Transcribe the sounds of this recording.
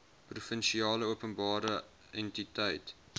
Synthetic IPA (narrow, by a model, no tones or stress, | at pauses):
prufənʃiɑːləuəpənbɑːɾə | ɛntitəjt